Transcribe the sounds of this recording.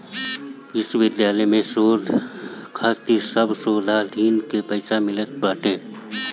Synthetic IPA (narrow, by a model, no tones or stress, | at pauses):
ɪswɪd̪jaːləjmẽsoːd̪ʱkʰaːt̪isəbsoːlʱad̪ʱiːnkepəɪsamɪlət̪̚baːʈʰeː